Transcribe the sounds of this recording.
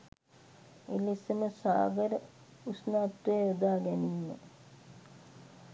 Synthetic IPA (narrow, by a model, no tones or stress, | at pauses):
ḛlisəməsa̰ːɡəɾə | usnaːt̪ːueud̪aːɡɛniːmḛ